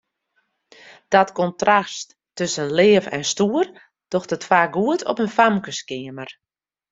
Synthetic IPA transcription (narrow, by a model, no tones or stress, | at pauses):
d̥ɔtkɔntrastː | øsənlɪːfɛ̰nstuər | d̥ɔxtətfaːɡuətʰɔ̰pənfamkəskɪəmər